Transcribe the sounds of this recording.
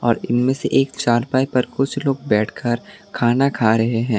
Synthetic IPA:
ɔːɾɪnmẽseʔeːkt͡ʃaːɾpaːipɐɾkʊt͡ʃʰloːɡ̚bɛːʈʰkʰɐɾkʰaːnakʰaːɾɐɦeɦɛ̃ː

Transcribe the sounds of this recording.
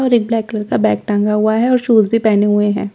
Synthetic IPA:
ɔːɾek̚blɛːkːləɾkabɛːk̚ʈə̃ŋɡaɦʊaɦɛɔːɾʃuːzbʱipɛːneɦʊeɦɛ̰̃ː

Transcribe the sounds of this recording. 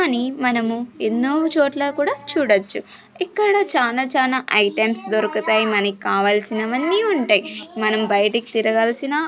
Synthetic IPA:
ɐnimɐnɐmuenːoːt͡ʃoːʈloːkuːɽaːt͡ʃuːɽɐt͡ʃːu | ikːɐɽɐt͡ʃaːnaːt͡ʃaːnaːʔɐjʈemsd̪oɾɐkut̪aːjimɐnɐkikaːʋaːlsinɐʋɐnːiːuɳʈaːjimɐnɐmbɐjɐʈɐki̥t̪iɾɐɡɐːlsina

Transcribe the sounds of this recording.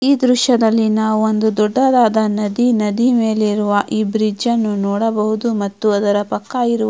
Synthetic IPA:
iːd̪ɾuʃɐd̪ɐlːinaːʋuond̪ud̪ɔɖːɐd̪aːd̪ɐnɐd̪inɐd̪ime̞ːliɾuʋɐʔiːbɾid͡ʒɐnːunɔːɽɐbɐɦud̪umɐt̪ːuɐd̪ɐɾɐpɐkːaːjiɾu

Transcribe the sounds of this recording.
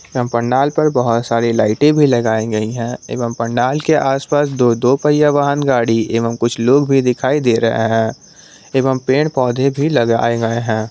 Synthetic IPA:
eʋəmpɐɳɖaːlpɐɾbɐɦʊt̪saːɾilaːɪʈẽbʱilɐɡaːeɡɐiɦɛ̃ːḛːʋəmpɐɳɖaːlkeʔaːspaːsd̪oːd̪oːpəɪjaʋaːɦənɡaːɽieːʋəmkʊt͡ʃʰloːɡbʱid̪ɪkʰaːid̪eːɾɐ̰ɦḛɦɛ̃ː | eːʋəmpeːɳpɔːd̪ʱẽbʱilɐɡa̰ːeɡɐeɦɛ̃ː

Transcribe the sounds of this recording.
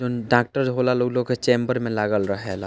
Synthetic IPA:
oɖaːk̚ʈəɾd͡ʒɦoːlaloːɡloːɡket͡ʃẽːmbəɾmẽlaɡəlɾəɦela

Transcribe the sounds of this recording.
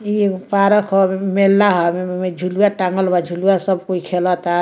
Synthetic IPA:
ipaɾəkʰɔmelːaɦɔmeed͡ʒʱulujaʈaŋɡəlbad͡ʒʱuluasəbkoikʰelɔt̪a

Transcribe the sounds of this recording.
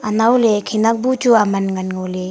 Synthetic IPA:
anawlekʰenak̚but͡ʃuamanŋanŋole

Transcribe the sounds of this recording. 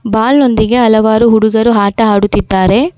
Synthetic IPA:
baːlno̞nd̪iɡe̞ɐlɐʋaːɾuɦuɽuɡɐɾuɦaːʈɐaːɽut̪ːid̪ːaːɾe̞

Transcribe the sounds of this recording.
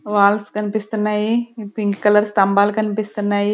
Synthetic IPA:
ʋaːlskɐnpist̪najipiŋkkɐləɾst̪ɐmbaːlkɐnpist̪nai

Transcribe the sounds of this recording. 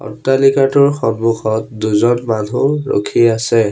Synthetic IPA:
ɔ̰tːalikatʊɹxɔnmuxɔtduzɔnmanʱuɹo̰kʰiasɛ

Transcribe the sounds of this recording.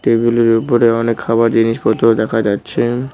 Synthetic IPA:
ʈebuleɾupoɾeɔnekʰːaβaɾd͡ʑiniʃpɔt̪ːod̪ɛkʰad͡ʑatːɕʰe

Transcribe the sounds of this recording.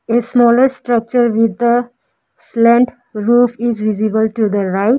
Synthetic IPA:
esmɔləɾsʈɾʌk̚t͡ʃəɾʋid̪ːə | slɛ̃ɳʈ | ɾuːfizʋizibəlʈud̪əɾaɪ

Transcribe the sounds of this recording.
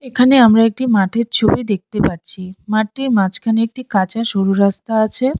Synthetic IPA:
ekʰaneamɾaek̚ʈimaʈʰeɾt͡ɕʰobid̪ek̚t̪epaɾt͡ɕʰimaʈ̚ːimãt͡ɕkʰaneek̚ʈikat͡ɕaʃoɾuɾast̪aat͡ɕʰe

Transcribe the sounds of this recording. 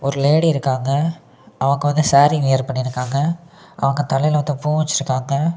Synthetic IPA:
ɔɾɯleːɽiɪɾɯkːaːŋɡɐ | ʔɐʋɐŋɡɐʋɐnd̪ɯsaːɾiʋejɐɾpɐɳːɪɾɯkːaːŋɡɐ | ʔɐ̰ʋɐŋɡɐt̪ɐlɐjlɐʋɐnd̪ɐpuːʋɐt͡ʃːɪɾɯkːaːŋɡɐ

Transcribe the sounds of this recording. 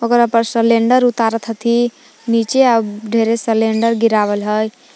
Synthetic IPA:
ɔɡoɾapəɾsəleɳɖəɾut̪aɾət̪ʰət̪ʰi | nit͡ʃeabɖʱeɾesəleɳɖəɾɡiɾaʋəlɦəj

